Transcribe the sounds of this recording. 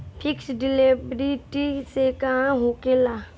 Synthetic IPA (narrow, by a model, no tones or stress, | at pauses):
pʰɪksɖɪlebɾiʈisekɦãɦokela